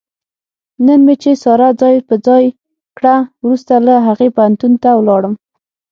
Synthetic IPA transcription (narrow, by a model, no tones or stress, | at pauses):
nənmet͡ʃesɑɾad͡zɑjpəd͡zɑj | kɽawɾust̪alaɦaɣepant̪unt̪awlɑɽəm